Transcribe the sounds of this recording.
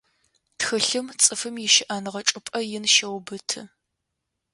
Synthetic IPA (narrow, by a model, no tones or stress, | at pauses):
txɨɬɨmt͡sʼɨfɨmjɪʃɪʔɐnʁɐʈ͡ʂʼʊpʼɐjɪnʃɐwbɨtʰɨ